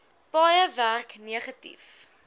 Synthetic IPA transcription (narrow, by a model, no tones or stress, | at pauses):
b̥ɑjəværkniəχətḭf